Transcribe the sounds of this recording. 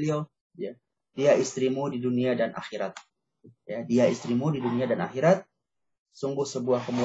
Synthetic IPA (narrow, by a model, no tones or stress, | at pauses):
lio | ja | diaʔist̪ɾimudiduniadanʔa̰xiɾat̪̚ | jadiaist̪ɾimudiduniadana̰xiɾat̪̚ | suŋɡʊhsəbuahkəmu